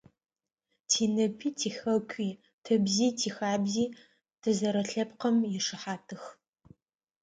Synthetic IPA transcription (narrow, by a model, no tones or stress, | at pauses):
tʰiːnɨpʰiːtʰiːxɐkʷʰʼiː | tʰɨbziːtʰiːxaːbziː | tʰɨzɐɾɐɬɐpqɐmjɪʂɨħaːtʰɨx